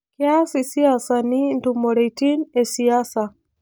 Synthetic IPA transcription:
kiasisiasanintumɔɾɛitinɛsiasa

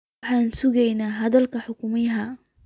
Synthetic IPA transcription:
ħaːnsʊɡɛjnaːɦɐd̪ɐlkɐħʊkʊmijɦa

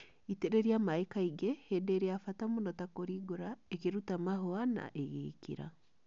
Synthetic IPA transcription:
iteɾeɾiamaekaiɡehedeːɾeafatamonɔtakoɾiɡoɾaekeɾutamaɦoana̰ʔeɣḛːkḭɾa̰

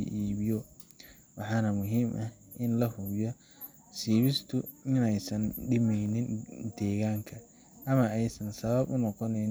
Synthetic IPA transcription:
ʔiːβɪjɔ | wɑħɑːnɐmʊɦiːmʔɐh | ʔɪnlɐhʊbjɔ | siːβɪst̪ʰʊɪnɛjsɐnɖɪmɛjnɪnd̪̥ɛːɣaːŋkʰɐ | ʔɐmɐɛjsɐnsɐβɐbʊnɔqɔnɛn

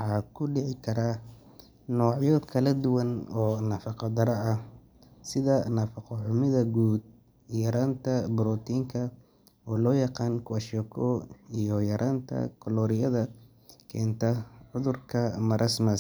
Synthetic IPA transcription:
wħɑːkʰʊɖɪʕɪkʰɐɾaː | nɔːʕjɔkʰɐlɐd̪ʊwɐnɔːnɐfɑqɑd̪ɐɾɐɐ | sɪðɐnɐfɑqɔʕʊmɪðɐɡuːd̪̚ | jɐɾaːnt̪ʰɐbʊɾɔːt̪ʰiːŋkʰɐ | ɔːlɔːjɑqɑːnkʰʊɐʃɔkʰɔijɔjɐɾʔaːnt̪ʰɐ̰kʰɔlɔːɾɪjɐðɐ | kʰɛːnt̪ʰɐʕʊðʊrkʰɐmɐɾʔɐsmɐs

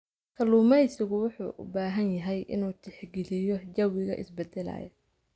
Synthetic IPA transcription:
kʰɐluːmɐsɪɣʊwʊħṵːʔʊ̰baːɦɐnjɐɦɛjʔɪ̰nuːt̪ʰɪħɡɪlɪjɔd͡ʒɐwɪɣɐ̰ʔɪ̰sbɛd̪ɛlɐ̰ːjɐ̰

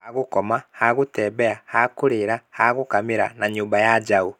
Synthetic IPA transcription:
aɣokɔmahaɣotɛːbɛahakoɾeɾahaɣokameɾanaɲuːmbajad͡ʒao

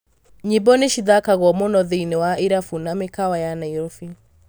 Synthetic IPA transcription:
ɲibɔniʃiðakaɣɔmonɔðiinɛwaiɾafunamɪkawajanaiɾɔfi

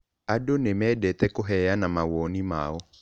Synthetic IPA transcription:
adonemɛːdɛtɛkoɦɛanamawɔnima̰ɔ

